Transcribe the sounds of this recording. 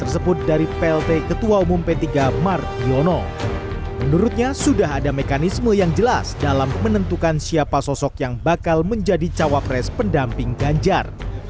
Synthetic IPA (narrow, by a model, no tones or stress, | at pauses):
t̪ərsəbʊt̪̚daɾipɛɛlt̪ekət̪uaumumpɛt̪iɡamar̚bionɔ | mənuɾʊt̪̚ɲasudaɦadamekanisməjaŋd͡ʒəlasdalamːənənt̪ukansiapasɔsɔkjaŋbakalməɲd͡ʒadit͡ʃawapɾɛspəndampɪŋɡaɲd͡ʒar